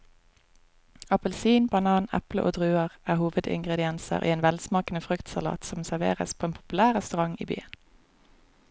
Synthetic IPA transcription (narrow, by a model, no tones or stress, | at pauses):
ɑpəlsiːnbɑnɑːnɛ̰plə̰ʔo̰ːd̪ʁʉːəʁæːhuːʋəd̪ɪ̰ŋɡʁɛd̪ɪɛnsə̰ʁʔḭːeːnʋɛlsmɑːkənəfʁʉkt̪sɑlɑ̰ːt̪sɔmsæʁʋḛːʁə̰spʰoːeːnpʰʊ̥pʉlæːʁʁɛst̪ʉʁɑŋḭːby̰ːən